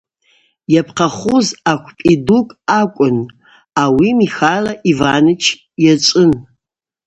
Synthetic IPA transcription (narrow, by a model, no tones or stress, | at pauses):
japʰqʰaχʷuzakʷʰpʼidukʼakʷʼʊn | awimixalaʔivaːnɨt͡ʃʰ | jat͡sʼɨn